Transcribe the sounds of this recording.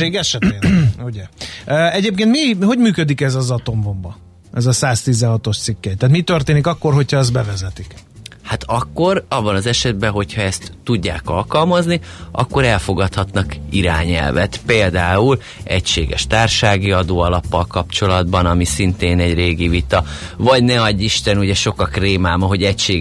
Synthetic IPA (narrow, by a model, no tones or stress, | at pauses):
eːɡɛʃɛt̪eːuɟɛøːɛɟeːp̚keːnt̪miɦo̞ɟmyːkød̪ikɛzɒzɒt̪o̞ɱvo̞mbɒ | ɛzɒsaːst̪izɛɦɒt̪o̞ʃt̪sikːɛjt̪ːaːt̪mit̪ørt̪eːnikɒkːo̞rɦocʰhɒɛz̚bɛvɛzɛt̪ik | hat̪ɒkːo̞ɾɒbːɒnɒzɛʃɛd̪̚bɛɦo̞chɒɛst̪ːuɟːaːkɒlkɒlmɒzniʔɒ̰kːo̞ɾɛlfo̞ɡɒt̪hɒt̪nɒkiɾa̰ːɲɛ̰lvɛ̰t̪peːld̪aːul | ɛcʃeːɡɛ̰ʃt̪aːrʃaːɡiɒd̪oːɒlɒpːɒlkɒpt͡ʃo̞lɒd̪bɒnɒmisint̪eːnɛɟreːɡivit̪ɒvɒɟnɛɒɟːiʃt̪ɛnuɟɛʃo̞kɒkreːmaːmɒɦo̞ɟɛcʃeː